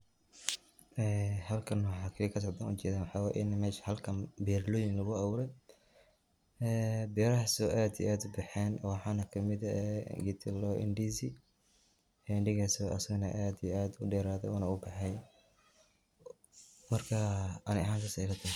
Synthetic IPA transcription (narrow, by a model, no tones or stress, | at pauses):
ʔɛːhɐlkʰɐnwħɑːkʰɐliːkʰɐs̬ɔʕd̪aːnṵːt͡ʃɛːðaːnwħɑːwaːjʔɪnmɛːʃhɐlkʰɐnbɛrlɔːjɪŋlɐɣʊɐwʊɾɛj | ɛːbɛɾɐhɐsɔʔaːd̪ḭʔaːd̪ʊbɐħɛːnwɑħɑːnɐkʰɐmɪd̪ɐɡit̪ʰɪlɔʔɪ̰nɖiːsi | ɛnɖɪɣasɔʔɐsɐɣɐnɐʔaːd̪ijaːd̪ʊɖɛːɾaːðɛ̰ɔːnɐʊbɐħɛj | mɐrkʰɐɐnɪɐɦaːŋkʰɐsɐɪlɐt̪ʰɐ